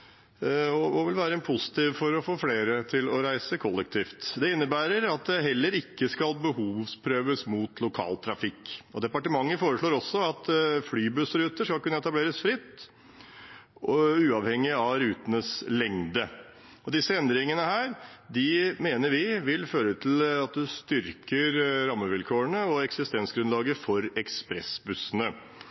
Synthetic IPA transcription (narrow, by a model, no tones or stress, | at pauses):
ɔɔʋɪlʋæːɾəɛnpʰʊsɪ̥t̪iːʋfɔɾɔfoːfleːɾət̪ʰɪlɔɾæɪsəkʰɔlːɛk̚t̪ʰiːft̪d̪ɛɪnːəbæːɾəɾɑt̪̚d̪ɛɦɛlːəɾɪkːəskɑlbəhuːʋspʰɾøːʋəsmuːt̪ʰlʊkʰɑ̰ːlt̪ʰɾɑfɪkːɔd̪ɛpɑʈəmɑŋːəfoːɾəʂɭoːɾɔsːɔɑt̪flyːbʉsɾʉːt̪əʂkɑlkʉnəɛt̪ɑbleːɾəsfɾɪt̪ː | ɔʉːɑʋhɛŋːɪɑʋɾʉːt̪nəslɛŋd̪ə | ɔd̪ɪsːəɛnd̪ɾɪŋənəhæːɾd̪ɪmeːnəɾʋɪʋɪlføːɾət̪ʰɪlɑt̪̚d̪ʉst̪ʏɾkʰəɾɾɑmːəʋɪlkʰoːəɳəɔɛksɪst̪ɛnsɡɾʉnɑːɡəfɔɾɛkspɾɛsbʉsːənə